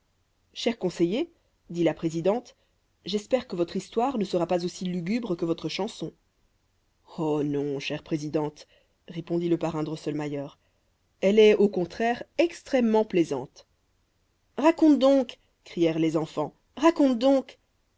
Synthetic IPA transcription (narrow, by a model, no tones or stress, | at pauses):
ʃɛʁkɔ̃seje | d̪ilapχezid̪ɑ̃t̪ | ʒɛspɛʁkəvɔt̪χist̪waʁnəsəʁapazosilyɡʲybʁəkəvɔt̪χəʃɑ̃sɔ̃ | onɔ̃ʃɛʁpχezid̪ɑ̃t̪ | ʁepɔ̃d̪iləpaʁɛ̃d̪ʁɔsœlmajœːʁ | ɛlɛokɔ̃t̪χɛʁɛkst̪χɛmːɑ̃plɛzɑ̰̃t̪ | ʁakɔ̃t̪d̪ɔ̃k | kχijɛʁlezɑ̃fɑ̃ | ʁakɔ̃t̪̚d̪ɔ̃k